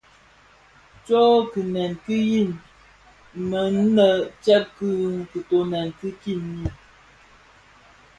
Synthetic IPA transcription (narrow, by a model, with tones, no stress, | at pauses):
t͡ʃɔ˦kɨ˨nɛ˨nki˦ji˦˨n | mə˨n̩˦nə˦˨t͡ʃɛ˦p̚kɨ˦ŋ˨kə˨to˨nɛ˨nkɨ˦ki˦˨nji˦˨